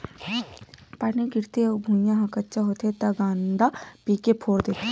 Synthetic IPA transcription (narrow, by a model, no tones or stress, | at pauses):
paːnikɪɾt̪ebʱũːjãɦãkətːʃaɦoːt̪et̪aɡãːnd̪apiːkepʰoːɾd̪eːt̪e